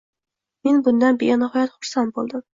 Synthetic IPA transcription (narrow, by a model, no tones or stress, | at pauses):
me̞nbʊnd̪anbeanɪɦɒjat̪χʊɾsant̪̚bolˠd̪ɪm